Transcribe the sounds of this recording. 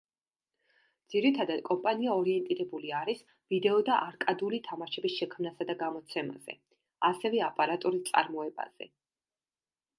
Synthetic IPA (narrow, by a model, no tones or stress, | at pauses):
d̪ziɾit̪ʰad̪ad̪̚kʼɔmpʼaniaɔɾiɛnt̪ʼiɾɛbuliaɾis | vid̪ɛɔd̪aʔaɾkʼad̪ulit̪ʰamaʃɛbisʃɛkʰmnasad̪aɡamɔt̪sʰɛma̰z̥ɛ̰ | asɛvɛapʼaɾat̪ʼuɾit̪sʼa̰ɾmɔɛba̰z̥ɛ̰